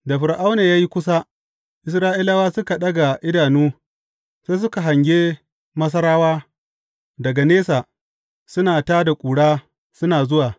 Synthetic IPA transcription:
da˨ɸʊ˨ɾʔa˦wneː˨jaː˦ji˦kʷʊ˦sa˦ | ʔɪ˨˦s̬ɾaː˦ʔi˦la˦waː˦sʊ˦ka˨ɗɐ˦ɡa˨ʔɪ˦daː˨nuː˦ | se˦sʊ˦ka˨ɦa˨ŋɡʲeː˦ | mɐ˦s̬ɐ˦ɾaː˦waː˦ | dɐ˨ɡa˨neː˦saː˨ | sʊ˦naː˨taː˦da˨kʷʼuː˨ɽaː˦ | sʊ˦naː˨zʊ˦waː˨

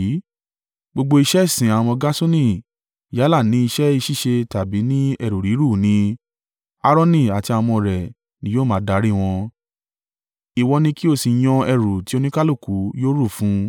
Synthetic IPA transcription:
ɡ͡bo˧ɡ͡bo˧i˧ʃɛ˦i˦˨sĩ˨a˨w̃ɔ̃˧ɡa˦so˦nĩ˦˨ | ja˨˦la˦˨nĩ˨˦i˧ʃɛ˦i˧ʃi˦˨ʃe˧ta˨bi˨˦nĩ˦ɛ˧˨ɾu˨ɾi˨˦ɾu˦˨nĩ˧ | a˧ɾɔ˦nĩ˦˨a˨ti˧a˧mɔ̃˧ɾɛ˨ | nĩ˨˦joː˦mãː˨˦da˨˧˦ɾi˦˨w̃ɔ̃˧ | i˨wɔ˧nĩ˧ki˦o˦˨si˨j̃ɔ̃˧ɛ˧˨ɾu˨ti˦o˧nĩ˦ka˦lo˦˨ku˨˦joː˦ɾu˦˨fũ˦

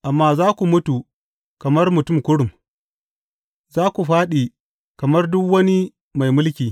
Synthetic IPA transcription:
ʔa˨mːaː˦zaː˦kʷu˨mʊ˦tu˨ | kɐ˨mɐ˦rmʊ˨tʊ˦˨mkʷʊ˦ɽʊ˨m | zaː˦kʷu˨ɸaː˦ɗi˨ | kɐ˨mɐ˦rdʊ˦kwɐ˦ni˦ | ma˨jmʊ˦lkʲiː˨

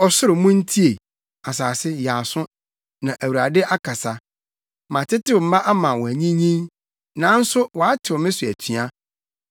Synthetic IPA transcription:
ɔ˨sʊ˦ɾɪ˨mʊ̃˦n̩˦tʰi˦e˨ | a˨saː˨sɪ˦ja˨sʊ̃˦ | nã˨ʔæ˨wu˨ɾa˨dɪ˦ʔa˦kʰa˨sa˨ | mã˨tʰɪ˦tɪ˦˨m̩˦ma˦ʔa˦mã˨wɔ˨æ˨ɲĩ˦ɲĩ˦n | nã˨˦n̩˦sʊ˦wɔ˨a˦tʰɪ˨wɔ˨mɪ̃˦sʊ˨æ̰˨tʰi˨a˦

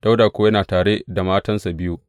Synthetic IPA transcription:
d̥a˦wdaː˨kʷo˦jɐ˦naː˨taː˨ɽe˦da˨maː˦tɐ˦nsa˨bɪ˦ju˦ʔ

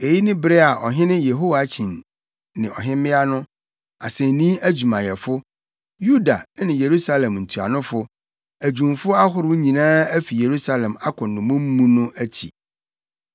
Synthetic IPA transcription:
e˨ji˦nɪ̃˦bɾɛ˦a˨ʔɔ˨ɦɪ̃˦nɪ̃˦je˨ɦo˦wa˨˦t͡ɕʰĩ˨n | nɪ̃˨ʔɔ̰˨ɦɪ̃˦mɪ̃˦a˦nʊ̃˦ | a̰˨sɛ˨n˨nĩ˦æ˦d͡ʑu˨mã˨jɛ˨fʊ˦ | ju˦da̰˨˦nɪ̃˨je˨ɾu˦sa˦lɛ̃˨mn̩˨tʰu˨a̰˨nʊ̃˦fʊ˦ | æ˨d͡ʑũ˨mfʊ˦a˦ɦʊ˨ɾʊ˦ɲĩ˨nãː˦æ˦fi˨je˨ɾu˦sa˦lɛ̃˨ma˦kʰʊ̃˨nːʊ̃˨mʊ̃˦m̩˦mũ˦nʊ̃˦æ˦t͡ɕʰḭ˨

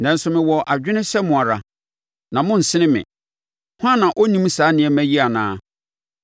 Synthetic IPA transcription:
nã˨n̩˦sʊ˨mɪ̃˨wɔ˨ʔa˨d͡ʑᶣɪ˦nɪ̃˦sɛ˦mʊ̃˨a˨ɾa˨ | nã˨mʊ̃˦n̩˨sɪ˦nɪ̃˦mɪ̰̃˨ | hã˦nːã˨ʔɔ˦nĩ˦msaː˨˦nɪ̃˨ɛ˨˦mæ̃˦ji˦a˨nã̰ː˦

